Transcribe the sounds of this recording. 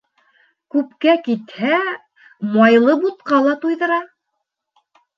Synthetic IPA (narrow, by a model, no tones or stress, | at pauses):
kʉp̚kækit̪hæ | mɑjlˠɤbut̪̚qɑlˠɑt̪ujðɤ̆ɾɑ